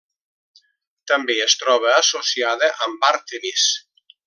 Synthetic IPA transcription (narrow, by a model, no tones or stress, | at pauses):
t̪ambeest̪ɾɔβəasosjaðəʔambaɾt̪enis